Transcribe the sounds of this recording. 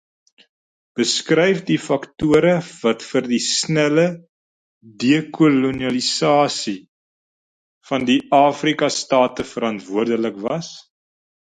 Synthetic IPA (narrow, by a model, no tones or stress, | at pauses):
b̥əskrɛjfdifɐktuəɾəvɐtfərdisnælə | diəkʰuluniɐlisɑːsi | fɐndiʔɑːfrikɐstɑːtəfəɾɐntvuərdələkvɐs